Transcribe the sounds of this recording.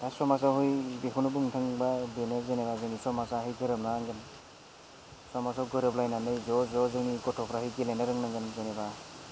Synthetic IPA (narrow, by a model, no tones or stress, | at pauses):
ajsɔmas̬awɦɔjbekʰunubɯŋtʰɯŋbabenezenebazɯŋnisɔmasaɦɯjtʰɯɾɯmnaŋɡɯn | sɔmasawɡɯɾɯplajnanɯjzɔzɔzɯŋnikɔtʰɔpʰɾahɯjɡelajnaɾɯŋnaŋɡɯnzeneba